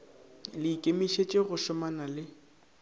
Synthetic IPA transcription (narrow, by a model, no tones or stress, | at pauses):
lɪikʼemiʃet͡ʃʼeɣʊʃʊmanalɪ